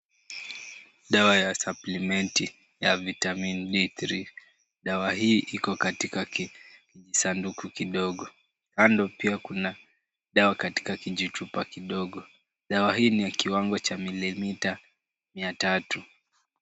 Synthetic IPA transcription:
ɗawajasaplimɛnti | javitaminɗiθɾi | ɗawaɦiːʔikɔkatika | kiʄisandukukiɗɔɠɔ | kandɔpiakuna | ɗawakati̥kakiʄit͡ʃupakiɗɔɠɔ | ɗawaɦiːnijakiwaŋɡɔt͡ʃamilimita | miatatu

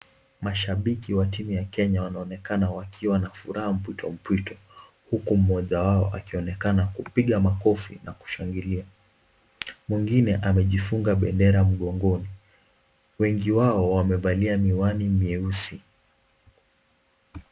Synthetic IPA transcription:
maʃaɓikiwatimujakɛɲawanaɔnɛkanawakʰiwanafuɾaham̩p̬witʰɔm̩pitɔ̥ | hukum̩ɔʄawaɔ̰ʔakiɔnɛkanakupiɠamakɔfḭnaku̥ʃaŋɡilia | mwiŋɡinɛʔamɛʄifuŋɡaɓɛndɛɾam̩ɠɔŋɡɔni | wɛŋɡiwaɔwamɛvaliamiwanimiɛusi

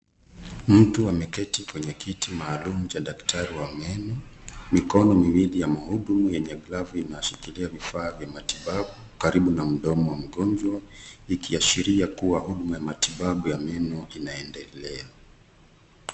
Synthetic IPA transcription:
m̩tuamɛkɛtikwɛɲɛkʰitimaːlumut͡ʃaɗaktʰaɾiwamɛnɔmikɔnɔmiwilijamahuɗumujɛɲɛɡlavuinaʃikiliavifaːvjamatiɓaɓu | kaɾiɓunam̩ɗɔmɔwam̩ɡɔnd͡ʒwaikiaʃiɾiakuwahuɗumujamatiɓaɓujamɛnɔinaɛndɛlɛa

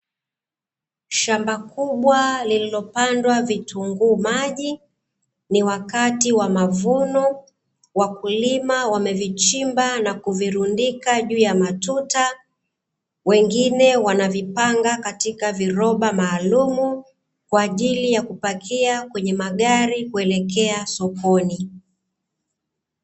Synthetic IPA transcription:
ʃambakuɓwalililɔpandwavitʰuŋɡuːmaʄi | niwakatiwamavunɔ | wakulimawamɛvit͡ʃimbanakuviɾundikaʄuːjamatuta | wɛŋɡinɛwanavipaŋɡakatikaviɾɔɓamaːlumu | kwaːʄilijakupakʰiakwɛɲɛmaɠaɾikuɛlɛkɛasɔkɔni

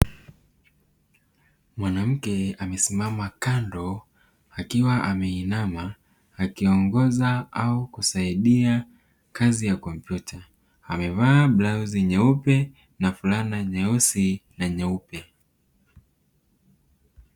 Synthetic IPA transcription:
mwanam̩kɛamɛsimamakandɔ | akiwaʔamɛinamaː | kiɔŋɡɔzaaukusaiɗia | kʰazijakɔm̩pjuta | amɛvaːblauziɲaupɛ | nafulanaɲausinaɲaupɛ

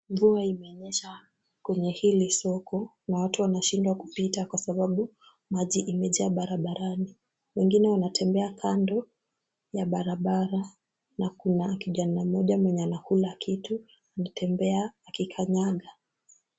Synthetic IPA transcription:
ɱvuaimɛɔɲɛʃa | kwɛɲɛhilisɔkʰɔ | nawatuwanaʃindwakupitakwasaɓaɓu | maʄiʔimɛʄaaɓaɾaɓaɾani | wɛŋɡinɛwanatʰɛmbɛakʰandɔ | jaɓaɾaɓaɾa | nakunaːkiʄanamɔʄamwɛɲɛanahulakʰitu | anitʰɛmbɛaːkikʰaɲaɠa

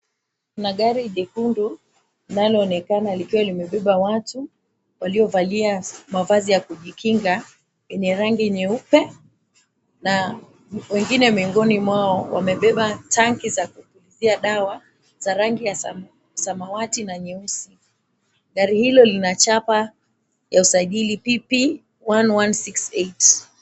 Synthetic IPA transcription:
kunaɠaɾiɗɛkundu | linalɔːnɛkanalikiwalimɛɓɛɓawatu | waliɔvaliamavazijakuʄikʰiŋɡa | wɛɲɛɾaŋɡiɲɛupɛ | na | wɛŋɡinɛmiŋɡɔnimwaɔwa̰mɛɓɛɓatʰaŋkizakupuliziaɗawa | z̥aɾaŋɡija | samawatinaɲɛusi | ɠaɾihilɔlinat͡ʃapa | jausaʄilipipi | wanwansiksɛjt

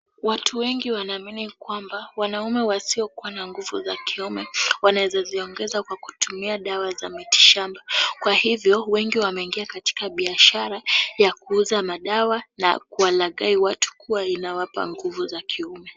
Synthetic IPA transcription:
watʰuwɛŋɡiwanaːminikwambawanaumɛwasiɔkuwanaŋɡuvṵzakʰiumɛwanawɛzaziɔŋɡɛzakwaku̥tumiaɗawaza̰miti̥ʃambakwahivjɔwɛŋɡiwamɛiŋɡiakati̥kaɓiaʃaɾajakuuzamaɗawana̰kuwalaɠaiwatʰu̥kʰuwainawapa̰ŋɡuvuzakʰiumɛ

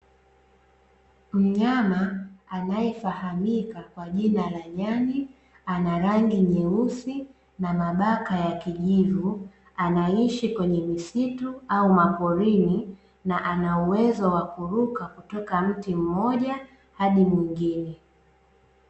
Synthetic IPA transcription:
m̩ɲamaanajɛfahamikakwaʄinalaɲani | anaɾaŋɡiɲɛusi | namaɓakajakiʄivu | anaiʃikwɛɲɛmisituaumapɔɾini | naʔanauwɛzɔwakuɾukakutɔkam̩tim̩mɔʄa | haɗimwiŋɡinɛ

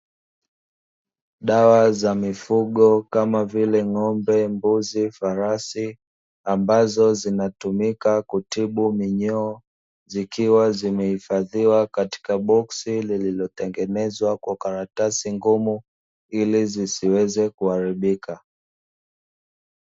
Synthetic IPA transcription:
ɗawazamifuɠɔkamavilɛŋɔmbɛmbuzifaɾasi | ambazɔzinatumikakutiɓumiɲɔː | zikiwazimɛhifaðiwakati̥kaɓɔksilililɔtɛŋɡɛnɛzwakwakaɾatasiŋɡumu | ilizisiwɛzɛkuhaɾiɓikʰa

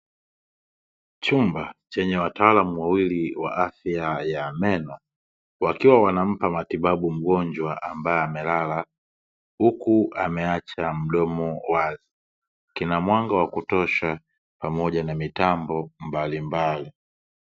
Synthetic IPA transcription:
t͡ʃumbat͡ʃɛɲɛwataalamuwawiliwa̰ʔafjajamɛnɔ | wakiwawanam̩pamatiɓaɓum̩ɡɔɲd͡ʒwaʔambaɛamɛlala | hukuamɛat͡ʃam̩ɗɔmɔwazi | kinamwaŋɡawakutɔʃa | pamɔʄanamitambɔmbalimbali

